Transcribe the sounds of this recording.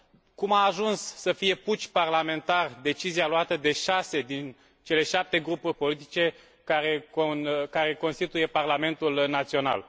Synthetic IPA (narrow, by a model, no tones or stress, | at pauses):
kumaːʒunsːəfije̞put͡ʃʲparlame̞nt̪ard̪e̞t͡ʃizialoat̪əd̪e̞ʃase̞d̪in | t͡ʃe̞le̞ʃap̚t̪e̞ɡɾupurʲpo̞lit̪̬i̥t͡ʃe̞ | aeokaɾe̞ko̞nst̪it̪uje̞parlame̞nt̪ulnat̪sio̞na̰l